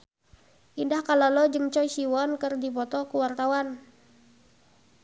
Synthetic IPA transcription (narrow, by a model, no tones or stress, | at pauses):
ʔindahkalalɔd͡ʒəŋt͡ʃɔisiwɔnkərdipɔt̪ɔkuwart̪awan